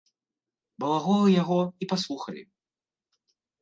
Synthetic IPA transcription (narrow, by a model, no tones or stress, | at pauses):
bɐlˠaɣɔlˠɨjaɣɔipaslˠuxɐlʲḭ